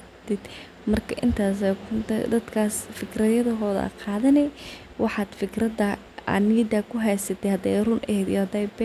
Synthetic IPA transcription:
t̪ʰɪd̪̥ | mɐrkʰɐʔɪnt̪ʰaːsɛʊnt̪ɐ̰d̪ɐd̪kʰaːsfɪkʰrɐðjɐðɐɦɔːðɐ̰qɑːðɐnɛ | wɑħɑːd̪fɪkʰrɐdɐ | ɐ̰niːd̪ɐkʰʊɦɛjsɐt̪ʰɛjhɐd̪ɛjrʊnʔɛhɛːd̪ḭhɐd̪ɛjbɛ

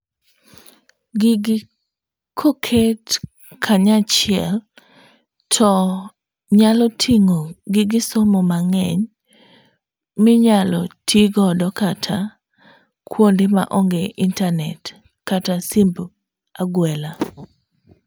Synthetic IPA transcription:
ɡɪɡɪ | kʰokʰet | kʰaɲat͡ʃɪɛ̰l | tʰɔ | ɲalɔtʰiŋoɡɪɡɪsomomaŋɛɲ | mɪɲalɔtʰiɡɔdɔkatʰa | kʰwondɪma̰ʔɔŋɡeʔintanɛt | katasimb | aɡwɛla

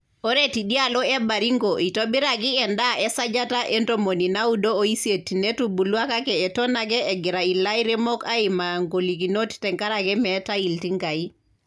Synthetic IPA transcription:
oɾetiɗialɔebaɾiŋɡoʔitobiɾaɡiɛndaʔesad͡ʒataʔentomoninaudooisietinetubuluakakɛːtonakɛːɡiɾailaiɾɛmokaimaŋɡolik̬inoti̥tɛŋkaɾakɛmɛtailtiŋɡai

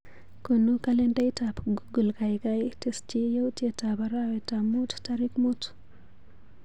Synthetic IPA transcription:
konukalɛndajtapɡuɡulkajkajtest͡ʃijowtjetabaɾawetamːuttaɾikmut

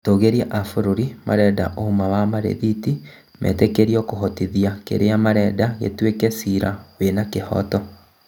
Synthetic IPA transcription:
toɣeɾiaʔafoɾoɾima̰ɾɛda̰ʔohumawamaɾḛðiti | mʔɛ̰tekeɾiɔkoɦɔtiðiakḛɾeamaɾɛdaɣḛtwekɛsiɾawenakehɔ̰tɔ

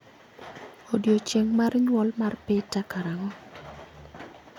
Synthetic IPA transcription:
odjot͡ʃeŋmarɲwɔlmarpɪtakaɾaŋɔ

